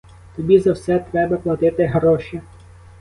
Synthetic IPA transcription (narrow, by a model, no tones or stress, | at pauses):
t̪ɔbʲizɐwsɛt̪ɾɛbɐplˠɐt̪ɪt̪ɪɦɾɔʃi